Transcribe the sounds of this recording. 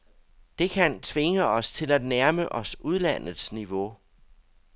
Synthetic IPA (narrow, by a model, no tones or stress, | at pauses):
d̥e̝kʰænt͡sʰʋe̝ŋəɒ̽st͡sʰe̝læd̥næɐməʔɒ̽suð̞ˠlæn̰ð̩ˠsniʋo̝